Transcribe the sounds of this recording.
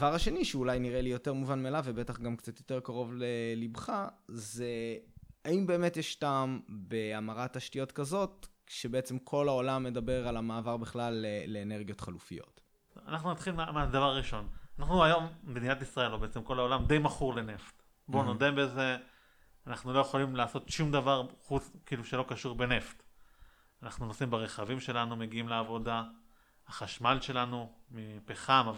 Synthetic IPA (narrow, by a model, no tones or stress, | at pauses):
vaʁhaʃe̞niʃeulajniʁelijo̞te̞ʁmuvanmealavebe̞taχɡamkt͡sat̪jo̞te̞ʁkaʁo̞vlelibχazeaimbe̞ːme̞tjeʃtambe̞amaʁat̪ːaʃtijo̞tkazo̞tʃebeet͡se̞mkʰo̞lao̞lamːe̞d̪abe̞ʁalamaːvaʁbeχlaleːe̞ːne̞ʁɡijo̞tχalufḭjo̞̰t | anaχnunat̪χilmamad̪avaʁʁiʃo̞nanaχnuajo̞mbd̪injat̪isʁae̞lhobeet͡semko̞lao̞lamd̪e̞jmaχuʁle̞neft | bonodembeze̞ | anaχnuloje̞χolimlaːso̞tʃumd̪avaʁχukiːluʃe̞lo̞kaʃuʁbe̞ne̞ft | anaχnunosimbeʁeχavimʃe̞lanume̞ɡiimleavo̞da | haχaʃmalʃe̞lanumipeχamav